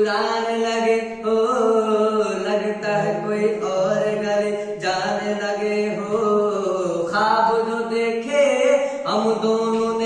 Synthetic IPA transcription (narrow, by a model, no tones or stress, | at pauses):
ɾaːnelɐɡe | ɦo | lɐɡt̪aɦɛkoːiʔɔːɾeɡɐɾe | d͡ʒaːnelɐɡeɦo | kʰaːd̪od͡ʒod̪eːkʰeːɦɐmd̪oːnõne